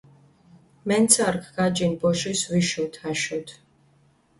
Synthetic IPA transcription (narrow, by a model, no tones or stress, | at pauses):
mɛnt̪sʰaɾkʰɡad͡ʒinbɔʃisviʃɔt̪ʰaʃɔt̪ʰ